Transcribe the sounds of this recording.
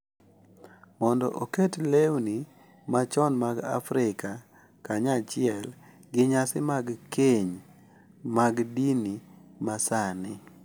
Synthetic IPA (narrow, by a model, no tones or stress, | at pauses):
mɔndɔ̰ʔoketlewni | mat͡ʃɔnmaɡa̰fɾɪka | kaɲat͡ʃɪɛlɡɪɲasɪmaɡkeɲ | maɡdinimasanɪ